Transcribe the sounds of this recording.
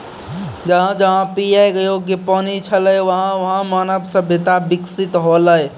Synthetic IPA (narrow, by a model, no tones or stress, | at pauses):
d͡ʒəɦãd͡ʒəɦãpijajkjoɡjepɔnit͡ʃʰələjʋəɦãʋəɦãmanəbsə̃bʱet̪abiksit̪ɦoləj